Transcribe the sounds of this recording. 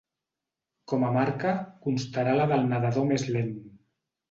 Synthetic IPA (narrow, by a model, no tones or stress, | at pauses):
kɔmamaɾkakunst̪aɾalaðəlˠnaðaðomezlen